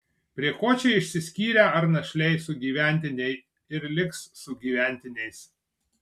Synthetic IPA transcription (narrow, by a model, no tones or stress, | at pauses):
pʲɾʲiɛkoːt͡ʃʲɛɪɪʃʲsʲɪsʲkʲiːɾʲɛɐɾnɐʃʲlʲɛɪsʊɡʲiːʋʲæˑnʲt̪ʲɪnʲɛɪ | ɪɾlʲɪksːʊɡʲiːʋʲæˑnʲt̪ʲɪnʲɛɪs